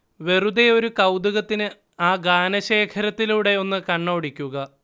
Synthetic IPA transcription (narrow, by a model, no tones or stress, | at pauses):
ʋe̞rud̪eo̞ɾukɐwd̪uɣɐt̪ːinɨ | aːɡaːnɐɕe̞ːkʰɐɾɐt̪ːiluːɽe̞o̞nːɨkɐɳːoːɽikʲːuɣɐ